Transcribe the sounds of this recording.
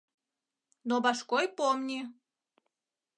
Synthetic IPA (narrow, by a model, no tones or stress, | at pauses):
nobaʃkojpomnʲi